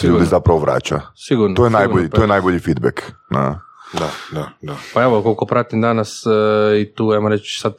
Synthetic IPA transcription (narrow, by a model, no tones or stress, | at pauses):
sʎuːd̪izapɾaʋoʋɾa̰ːt͡ʃa̰siɡuɾnojenajboʎit̪ojenajboʎifid̪̚bḛkna̰d̪ad̪ad̪apaeʋokolkopɾat̪imd̪anasit̪uajmoɾet͡ʃsad̪